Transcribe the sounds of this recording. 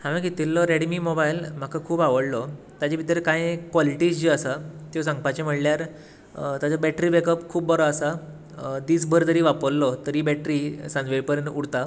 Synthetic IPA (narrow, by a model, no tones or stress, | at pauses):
hãmĩɡʱet̪ilːɔɾeɽmimɔbailm̤akʰakʰuːbaʋəɽlɔ | t̪jad͡ʑebit̪ɾkãjkʋɔliʈiːsd͡ʑiəsat̪jos̬ãŋɡ̚pat͡ɕem̤əɽljaɾ | t̪at͡sɔbɛʈɾiːbekəpkʰuːbbɔɾɔasa | d̪iːsbʱəɾt̪əɾiːʋapəlːɔt̪əɾibɛʈɾisãnd͡zʋeɭpəɾəɳuɽt̪a